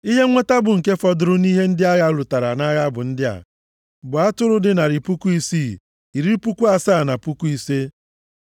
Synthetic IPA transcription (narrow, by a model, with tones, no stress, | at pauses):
i˦ɦe˦ŋʷe˦ta˦bʊ˨ŋ̩˨ke˦fɔ˨dʊ˨ɾʊ˦ni˦ɦe˦n̩˦dɪ˦a˦ɣa˦lʊ˨ta˨ɾa˨na˦ɣa˦bʊ˨n̩˦dɪ˦a̰˨ | bʊ˨a˦tʊ˦ɾʊ˦dɪ˨na˨ɾi˨pu˦ku˦i˦siː˦˨ | i˨ɾi˦pu˦ku˦a˦saː˦˨na˨pu˦ku˦i˦se˦